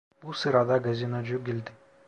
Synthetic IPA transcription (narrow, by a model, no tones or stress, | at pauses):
b̥usɯɾad̪ɑɡazʲinod͡ʒuɡʲilʲd̪ɪ